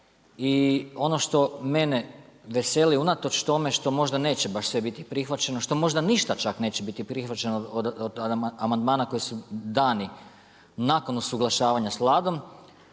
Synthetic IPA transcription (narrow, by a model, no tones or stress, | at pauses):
io̞no̞ʃt̪o̞me̞ne̞ʋe̞seliunat̪o̞t͡ʃt̪o̞me̞ʃt̪o̞mo̞ʒd̪ane̞ːt͡ɕe̞baʃsʋe̞bit̪ipɾixʋat͡ɕe̞no̞ʃt̪o̞mo̞ʒd̪aniʃt̪at͡ʃakne̞ːt͡ɕebit̪ipɾixʋat͡ɕe̞nod̪amand̪maːnako̞jisud̪aːni | naːko̞nusuɡlˠaʃaːʋaɲaslˠaːd̪o̞m